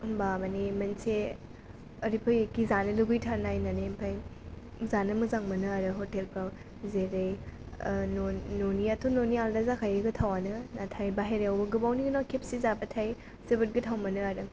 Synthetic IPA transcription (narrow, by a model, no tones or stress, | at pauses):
babanimɐnse | ɐɾipʰɯjekizanɐluɡɯjtʰaɾnajnanempʰaj | zanɐmuzaŋmɐnɯaɾɯɦotelpʰaw | zeɾej | nononiatʰunonijaldazakʰajeɡɐtʰawanɯnatʰajbaɦeɾeawbɐɡɯbawniɡɯnawkʰep̚sizabɐtʰaj | zebɯt̚ɡɯtʰawmɐnɯaɾɯ